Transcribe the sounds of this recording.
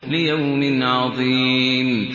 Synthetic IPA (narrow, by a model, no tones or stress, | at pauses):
lɪjawmɪnʕɑðˤiːm